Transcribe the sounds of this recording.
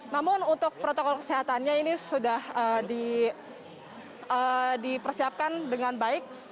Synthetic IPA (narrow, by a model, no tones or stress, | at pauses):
namʊnunt̪ʊk̚pɾot̪okɔlkə̥seɦat̪anɲainisudahəːdi | ʔəːdipərsiap̚kandəŋanbaɪk̚